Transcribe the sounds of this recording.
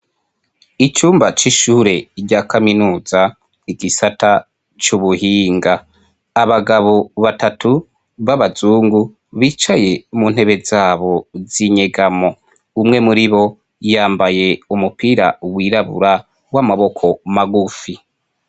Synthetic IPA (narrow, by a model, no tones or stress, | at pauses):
it͡ʃuːmbat͡ʃiʃuːɾe̞ɾɟakaminuːza | iɡisatʰa | t͡ʃuβuhiːŋɡaː | βaɡaβo̞βatʰatʰu | βaβazuːŋɡu | βiːt͡ʃaje̞mun̥he̞βe̞zaːβo̞ziɲeɡamo̞ | umŋe̞muɾiβo̞ | jaːmbaje̞umupiɾa̰wiːɾaβṵɾa | wamaβo̞kʰo̞maɡufi